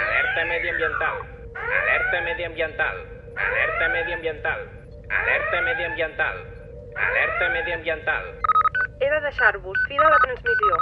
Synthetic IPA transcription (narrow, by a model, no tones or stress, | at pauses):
əlɛɾt̪əmɛðiəmbjənt̪alˠ | ə̰lɛɾt̪əmɛðiəmbjənt̪a̰lˠ | ə̰lɛɾt̪əmɛðiəmbjənt̪a̰lˠ | ə̰lɛɾt̪əmɛðiəmbjənt̪a̰lˠ | ə̰lɛɾt̪əmɛðiəmbiənt̪a̰lˠ | eðəðəʃaɾβusfiðələt̪ɾənzmizjo